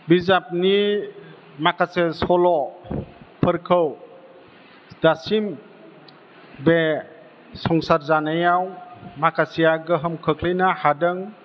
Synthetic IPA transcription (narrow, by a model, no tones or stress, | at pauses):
bizap̚ni | makʰasesɔlɔ | pʰəɾkʰɯw | dasim | be | sɔŋsaɾzanajawmakʰasijaɡəɦəmkʰəklejnahadəŋ